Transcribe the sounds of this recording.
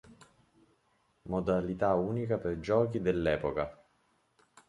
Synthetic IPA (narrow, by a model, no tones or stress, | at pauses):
mod̪alit̪auːnikaperd͡ʒɔːkid̪elːɛːpoka